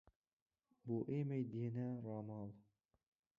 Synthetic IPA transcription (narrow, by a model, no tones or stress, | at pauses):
buʔemæjd̪inæɾɑmɑlˠ